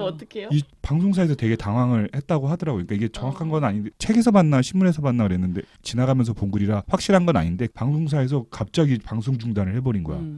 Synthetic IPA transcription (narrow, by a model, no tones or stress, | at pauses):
t͈ʌkʰejoipaŋs̬ʰoŋsʰaes̬ʰʌte̞ɡe̞taŋwaŋɯɭhe̞t̚t͈aɡoɦadʌɾaɡoɲik͈aiɡe̞t͡ɕʌŋwakʰanɡʌnaɲindet͡ɕʰe̞ɡe̞sʰʌmanːaɕʰinmuɾɦe̞sʰʌmanːaɡɯɾe̞nːɯnde̞t͡ɕinaɡamjʌns̬ʰʌpoŋɡuɾiɾaɸwak̚ɕ͈iɾɦanɡʌna̰ɲinde̞paŋsʰoŋsʰaes̬ʰʌkap̚t͡ɕ͈aɡipaŋs̬ʰoŋd͡ʑuŋdanɯɭhe̞bʌɾinɡʌ̰jo̰